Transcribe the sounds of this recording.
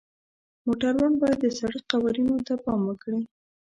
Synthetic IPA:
moʈaɾwanbɑjad̪ːəsaɽiqawaɾinot̪apɑmwəkɽi

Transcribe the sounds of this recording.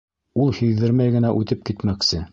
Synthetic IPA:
ulˠhiðːɘɾmæjɡɘ̆næʔʉt̪ɘp̚kit̪mæksɘ

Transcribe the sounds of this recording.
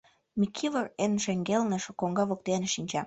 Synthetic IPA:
mikʰilərenʃeŋɡelnəʃkoŋɡɑβok̚t̪eanʃinʲt͡ɕɑ

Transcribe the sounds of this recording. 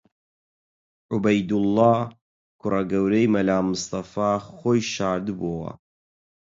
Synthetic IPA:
ʕʊbɐjd̪ulːaː | kʰʊrɐɡɐwɾejmɐlaːmːɨst̪ɐfaːxoːjʃaːɾd̪ɨboːwɐ̰

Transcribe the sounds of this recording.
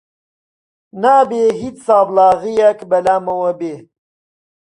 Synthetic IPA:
naːbeɦit͡ssaːblɑːɣijakbɐlamɐwɐbe

